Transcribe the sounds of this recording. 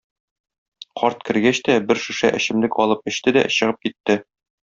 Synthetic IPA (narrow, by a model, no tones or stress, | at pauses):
qʰɒɾt̪̚kɘ̆ɾɡæɕt̪æbɘɾʃʉ̆ʃæ̰ʔɘ̆ɕɘ̆mlɘkɒlˠɤp̚ɘ̆ɕt̪ɘd̪æ̰ɕɤ̆ʁɤp̚kit̪ːɘ